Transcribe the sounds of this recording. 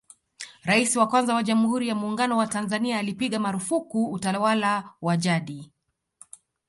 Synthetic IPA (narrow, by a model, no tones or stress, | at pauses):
ɾaisiwakwanzawaʄamuhuɾijamuːŋɡanɔwatanzaniaːlipiɠamaɾufukuːtawalawaʄaɗi